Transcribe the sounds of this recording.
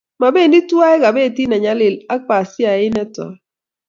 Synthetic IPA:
ma˨be˦˨ndi˦twa˦ɛ˦ka˨be˦˨ti˦na˨ɲa˨lɪ˨la˦k͡pa˨sja˨ɪ˦nɛ˦tɔ̰˨

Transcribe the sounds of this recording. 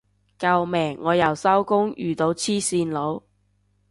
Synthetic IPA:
kɐ˧wmɛː˨˩ŋːɔː˨˧jɐ˨˩wsɐ˥wkʊ˥ŋjy̰ː˨˩t̪o˨˧wt͡sʰiː˥siː˧nlo˨˧w

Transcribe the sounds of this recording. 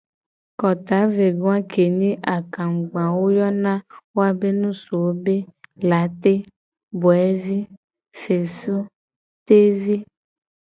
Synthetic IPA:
kɔ˨t̪a˨˦ve˨ɡõ˦a˦ke˨nĩ˦ʔa˨ka˨ŋ̩˨ɡ͡bã˨wo˦jɔ˦nã˦wo˦a˨be˦nũ˦so˨wo˦be˦la˨˦t̪e˦ | bɔ˨ɛ˦vi˦ | fe˨su˦ | t̪e˦vi˦

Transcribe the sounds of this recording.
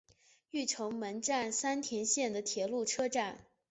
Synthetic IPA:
y˥˩ʈ͡ʂʰʊ˧˥ŋmə˧˥nʈ͡ʂa˥˩nsa˥nt̪ʰjɛ˧˥nɕjɛ˥˩nd̪ə˩t̪ʰjɛ˧˥lu˥˩ʈ͡ʂʰɤ˥ʈ͡ʂa˥˩n

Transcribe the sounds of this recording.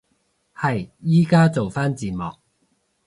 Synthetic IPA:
hɐ˨jːiː˥kaː˥t͡so˨wfaː˥nt͡siː˨˩mɔ̰ː˨k̚

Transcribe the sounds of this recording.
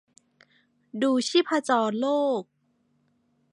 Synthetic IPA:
duː˧t͡ɕʰiː˥˩pʰa˧t͡ɕɔː˧nloː˥˩k̚

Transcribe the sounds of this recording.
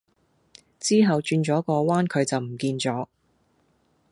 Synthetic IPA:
t͡siː˥ɦɐ˨wt͡ʃyː˧nt͡ʃɔː˨˥kɔː˧waː˥nkʰɵ˨˧ɥt͡sɐ˨wm̩˨˩kiː˧nt͡ʃɔː˨˥

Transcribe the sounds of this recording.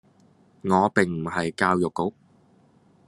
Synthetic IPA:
ŋɔː˨˧pɪ˨ŋm̩˨˩hɐ˨jkaː˧wjʊ˨kːo˨˥k̚

